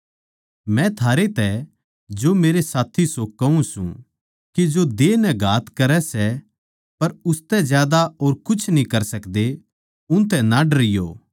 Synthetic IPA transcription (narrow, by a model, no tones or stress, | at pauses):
mɛ̃t̪ʰaːɾet̪ɛ | d͡ʒomeːɾesaːt̪ʰisokɐũsṵ̃ | kid͡ʒod̪eːnɛ̃ɡʱaːt̪kɐɾɛsɛ | pɐɾʊst̪ɛzjaːd̪aoːɾkʊt͡ʃʰnĩkɐɾsɐkd̪e | ʊ̃nt̪̬ɛ̃nãɖɾɪjo̰ː